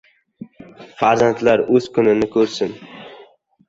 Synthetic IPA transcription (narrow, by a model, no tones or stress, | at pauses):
faɾzant̪ʰlaɾɵz̥kʰʊnɪnɪkʰɵɾsɪn